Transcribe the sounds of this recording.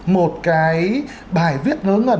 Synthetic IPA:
mo˨˩t̚kaː˨˧˦j | ɓaː˧˩jvi˦˥ət̚lɨː˨˦ŋʔəː˧˩

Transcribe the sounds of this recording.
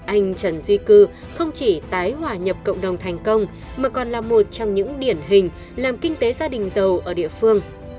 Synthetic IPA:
ʔa˧jŋ̟t͡ɕə˨˧˩nzwi˧kɨ˧ | xə˧wŋ͡mt͡ɕi˧˩t̪aː˨˦jhwaː˧˩ɲə˨˩p̚kə̰˧˨wŋ͡mɗə˨˩wŋ͡mt̪ʰɛ˨˩jŋ̟kə˧wŋ͡m | maː˨˩kɔ˨˩nlaː˨˩mo˨˩t̚t͡ɕɔ˧wŋ͡mɲɨ̰˧˥ŋɗi˧˩ənɦï˨˩ŋ̟ | laː˨˩mkï˧ŋ̟t̪e˨˦zaː˧ɗï˨˩ŋ̟zə˨˩wʔəː˧˩ɗḭ˧˨əfɨ˧əŋ

